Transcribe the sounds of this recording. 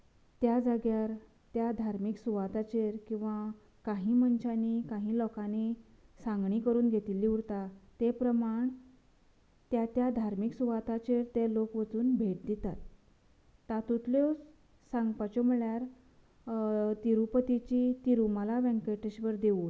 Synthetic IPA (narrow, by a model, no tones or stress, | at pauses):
t̪jad͡zaɡjaɾ | t̪jad̪ʱaɾmiːksuʋat̪at͡ɕeɾkĩw̃ʋa | kaɦĩːməɲt͡ɕanikaɦĩːlɔkani | saŋɡɳikəɾuːnɡʱet̪iliːuɾt̪at̪epɾəmaɳ | t̪jat̪jad̪ʱaɾmiksuʋat̪at͡ɕeɾt̪elokʋət͡suːnbʱeʈ̚d̪it̪at̪ː | at̪ut̪ljo | sãŋɡpat͡ɕoməɭjaɾ | t̪iɾupət̪it͡ɕit̪iɾuməlaʋɛ̃ŋkeʈeɕʋəɾd̪eu